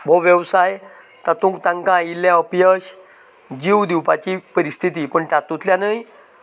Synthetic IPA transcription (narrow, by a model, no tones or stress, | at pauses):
bʱoʋjəwsaj | t̪at̪ũk̚t̪ãŋkãilːjaəpjəɕ | d͡ʑiwd̪iwpat͡ɕiːpəɾist̪ʰit̪iːpəɳʈat̪ut̪ljanəj